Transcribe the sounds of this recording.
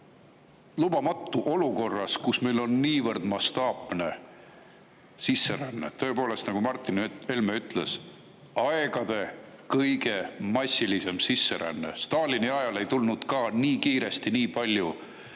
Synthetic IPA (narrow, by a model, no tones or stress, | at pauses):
lub̥ɑmɑt̪ːuʔo̞luko̞rːɑskusme̞jlo̞nːiːvɤrd̪̥mɑst̪ɑːpne̞ | sisːe̞ɾænːḛt̪ø̞epo̞ːle̞st̪nɑɡ̥umɑrt̪ˑːinelmeyt̪ˑle̞s | ɑeɡ̥ɑd̪̥e̞kɤjɡe̞mɑsʲːilise̞msisːe̞ɾæ̰nːḛst̪ɑːlʲiniɑjɑle̞jt̪ulnud̪̥kɑːniːkiːɾe̞st̪iniːpɑlʲju